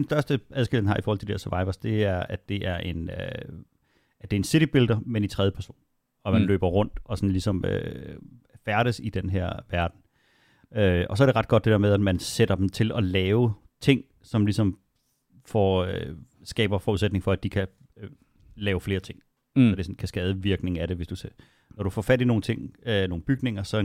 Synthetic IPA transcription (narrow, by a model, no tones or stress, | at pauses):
d̥ensd̥ɶɐsd̥əæðˠɡ̥eldnɦhɑ̈ifɔːhɒlt͡sʰdi̥eɐsøɐʋɑ̈ɪʋɐsd̥e̝æɐæ̥e̝ʔæɐʔe̝nø | æd̥e̝ɐensiɾ̥ib̥e̝ld̥ɐmenint͡sʰʁɛðjəpʰæɐso̝̰ːn | ɒ̽mænlø̰ːb̥ɐʁɔ̽n̰d̥ɒ̽sɒnlisɒ̽mø̰ | fæɐɾəsid̥enɦeɐ̰ʋæɐd̥n̩ | øɒ̽s̬ɒ̽ɐɾe̝ʁɑ̈d̥̚ɡ̥ɒ̽d̥e̝ɾ̥eɐmeðˠæd̥mænseɾ̥ɐd̥emt͡sʰe̝lɒ̽lɛːʊ | t͡sʰe̝ŋ̰ | sɒ̽mlisɒ̽m | fɒ | sɡ̥ɛ̰ːb̥ɐfɒːuðˠsed̥ne̝ŋ̩fɒ̽æd̥ikʰæ | lɛːʊfle̝ːɐt͡sʰe̝ŋ̰ | sɒd̥e̝sɒnkʰæsɡ̥ɛːð̞ˠəʋiɐɡ̥ne̝ŋ̩æɾ̥e̝ʋe̝sd̥use | nɒɾ̥ufɒ̰ːfædino̝ːn̩t͡sʰe̝ŋ̰no̝ːŋ̩b̥yɡ̥ne̝ŋɐsɒ̽